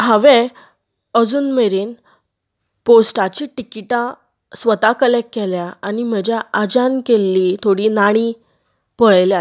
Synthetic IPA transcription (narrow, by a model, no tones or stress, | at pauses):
ɦãʋẽ | əd͡zuːnmeɾeːn | posʈat͡ɕiːʈikiʈã | sʋət̪akəlekːɛljaanim̤əd͡ʑjaʔad͡ʑankelːiːt̪ʰoɽiːnaɽ̃i | pəɭjla